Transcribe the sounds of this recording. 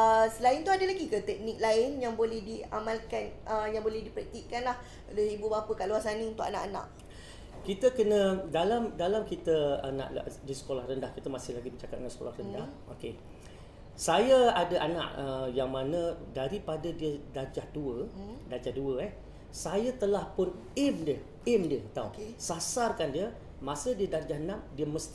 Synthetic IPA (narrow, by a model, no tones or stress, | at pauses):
əsəlaɪnt̪uadəlaɡikət̪ɛk̚nik̚laɪnjaŋbolɛhdia̰mãlkanʔəjaŋbolɛhdipɾət̪iʔkanlah | kaloibubapəkaʔluasanĩunt̪ʊkanã̰ʔanã̰ʔ | kit̪əkənə̃dalamdalamkit̪əəna̰ʔdisə̥kolahrəndahkit̪əmasɪhlaɡimət͡ʃakat̪̚ŋansə̥ko̰lahrəndah | oke | sajaadaʔana̰ʔəjaŋmãnə̃daɾipadadiədard͡ʒahduədad͡ʒaduəɛh | sajat̪əlahpʊn | ɛmdiə | ɛmdiət̪awsasarkandiə | mãsədiədard͡ʒahnãmdiəməst̪i